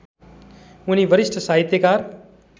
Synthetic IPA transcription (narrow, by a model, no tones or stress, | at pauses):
ʊniʋəɾɪʃʈʰəsaːɦɪt̪ːjekaːɾ